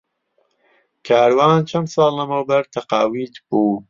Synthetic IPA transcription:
kʰaːɾwaːnt͡ʃʰɐnd̪sɑːlˠːɐmɐwbɐɾt̪ʰɐqɑːwiːt̪b̥uː

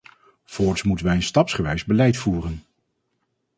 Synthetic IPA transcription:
v̥ɔːɹsmutənʋɛjənstɑpsχəʋɛjzbəlɛjtfuːrən

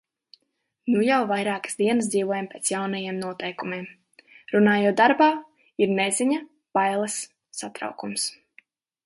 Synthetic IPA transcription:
nujawvajɾaːkə̥sd̪iɛnəsd̪ziːvuɔjampʲeːt̪sjawnɐjemnuɔt̪ɛjkumʲeɛm | ɾunaːjuɔt̪̚d̪aɾbaː | iɾnɛziɲa | b̥ajlˠɛsː | at̪ɾa̰wkums

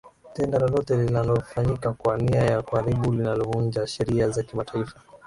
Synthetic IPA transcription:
tɛndalɔlɔtɛlinalɔfaɲikakwaniajakuhaɾiɓulinalɔvuɲd͡ʒaʃɛɾiazakimataifḁ

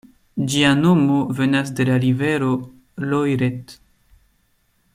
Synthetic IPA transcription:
d͡ʒianomo̞ve̞nasde̞laɾive̞ɾo̞ | lojɾet

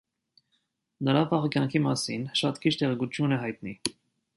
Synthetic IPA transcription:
nəɾɑvɑʁkjɑŋkʰimɑsinʃɑt̪kʰit͡ʃt̪ɛʁɛɡut͡s̪ʰjunɛɦɑjt̪ni

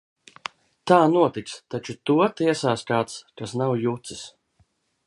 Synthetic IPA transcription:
t̪aːnuɔt̪ik̪st̪at͡ʃut̪uɔt̪iɛsaːskaːt̪skasnawjut̪sis

